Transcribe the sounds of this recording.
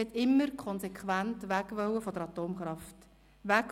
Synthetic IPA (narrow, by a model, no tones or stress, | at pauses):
ɛt̪ɪmːəɾkʰɔnsɛkχwæntʋækʋœwəfɔd̪əɾɑt̪oːmχɾɑft | ʋæk